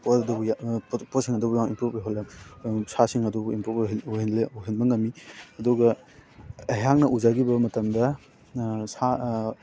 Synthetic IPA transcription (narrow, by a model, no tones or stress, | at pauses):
pɔdubujappɔsiŋɐdubujaŋimpɾup̚eɦolɐmsasiŋɐdubuimpɾup̚uɦinleuɦinmɐŋɐmiɐduɡɐ | ɐjaŋnɐʔuzaɡibɐmɐtɐmdɐ | sa